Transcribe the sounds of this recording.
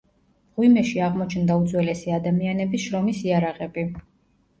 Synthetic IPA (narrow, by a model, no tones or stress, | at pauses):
ʁwimɛʃiaʁmɔt͡ʃʰnd̪aut̪zʼwɛlɛsiad̪amianɛbisʃɾɔmisiaɾaʁɛbi